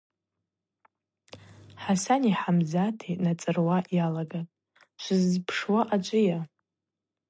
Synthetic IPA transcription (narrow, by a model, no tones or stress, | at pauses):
ħasaniħamzatʰejnat͡sʼɨrwaʔjalaɡa | ʃʷɨzpʰʂwaʔat͡ʃʷʼɨja